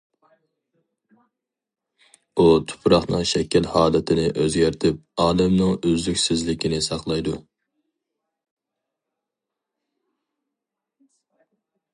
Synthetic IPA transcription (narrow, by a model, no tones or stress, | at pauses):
ut̪ʰʊ̥pʰɾɑχnɨŋʃɛkʲʰɛlhɑːlˠɨt̪ʰɪnɪʔøzɡʲæɾt̪ʰɪp̚ɑːlɨmnɨŋyzykʲsɪzlɪkʲinɪsɑqlˠɑjd̪u